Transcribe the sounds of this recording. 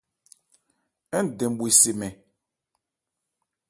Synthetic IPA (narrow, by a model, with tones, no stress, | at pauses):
ɛ˦n˨dɛ̃˨m˨ɓwi˨se˨mɛ˨